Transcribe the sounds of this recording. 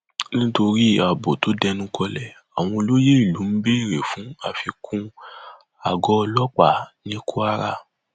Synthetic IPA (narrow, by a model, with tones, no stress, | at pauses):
nĩ˦to˧ɾi˦a˨bo˨to˨˦dɛ˧nũ˦kʰɔ˧lɛ˨ | a˨w̃ɔ̃˧o˧lo˦je˦i˦˨lu˨˦n̩˦be˦i˦˨ɾe˨fũ˨˦a˧fi˧kʰũ˦ | a˨ɡɔ˧˦ɔ˧lɔ˦k͡pa˦˨nĩ˦kʰu˦a˦ɾa̰˧